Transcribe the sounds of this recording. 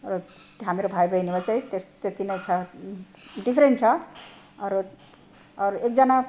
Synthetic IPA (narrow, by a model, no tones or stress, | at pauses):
rʌ | ɦamiɾobʱajbʌjnibat͡saj̃t̪est̪et̪inʌjt͡sʰʌ | ɖipʰɾenʈt͡sʰʌ | ʌɾ | ʌɾek̚d͡zʌna